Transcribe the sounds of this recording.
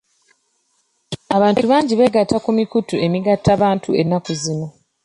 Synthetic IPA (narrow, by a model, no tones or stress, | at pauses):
aβaːntuβaːɲɟiβeɡatːakumikutue̞miɡatʰːaβaːntʰue̞nːakuzino̞